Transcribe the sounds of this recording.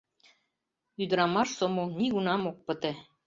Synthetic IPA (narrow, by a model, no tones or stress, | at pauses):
yd̪ɘ̆ɾɑmɑʃsomoniɣunɑmok̚pɤ̆t̪ĕ